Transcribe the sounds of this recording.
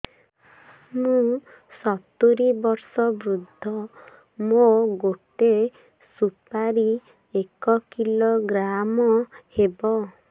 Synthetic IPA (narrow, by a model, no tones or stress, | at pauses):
mũ | sɔt̪uɾibɔɾsɔbɾud̪ʱːɔ | moɡoʈe | supaɾi | ekɔkiloɡɾamɔhebɔ